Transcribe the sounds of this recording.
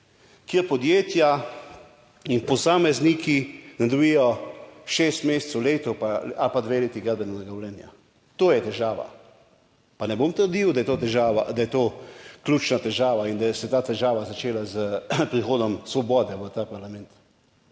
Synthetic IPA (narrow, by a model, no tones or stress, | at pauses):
kjeɾpɔd̪jeːt̪ja | inpɔsaːmɛznikinɛd̪ɔbijɔʃeːst̪meːst̪sɔwleːt̪ɔpaalpad̪ʋeleːt̪iɡad̪bɛnɛnɛɡawlɛːnja̰ | t̪oːjɛt̪ɛʒaːʋa̰ | panɛbomt̪əɾd̪iwd̪ajɛt̪oːt̪ɛʒaʋad̪ajɛt̪oːkljuːt͡ʃnat̪ɛʒaːʋaind̪aɛsɛt̪aːt̪ɛʒaːʋazat͡ʃeːlazəpɾixoːd̪ɔmsʋɔbɔːd̪ɛʋət̪apaɾlamɛnt̪